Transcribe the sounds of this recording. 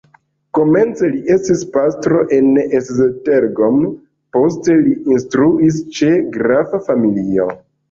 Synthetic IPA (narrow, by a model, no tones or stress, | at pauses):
ko̞me̞nt͡se̞liʔe̞stispastɾo̞ʔe̞neszete̞ɾɡom | po̞s̬te̞liinstɾuis̬t͡ʃe̞ɡɾavafamilio̰